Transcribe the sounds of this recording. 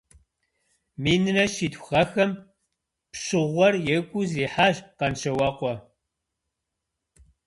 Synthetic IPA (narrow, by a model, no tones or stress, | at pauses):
miːnɨnɐʃiːtʰʷxɐxɐm | pɕɨʁʷɔrjɛɡʷʼuziːħaːʒqɐnʃɐwɐqʷɔ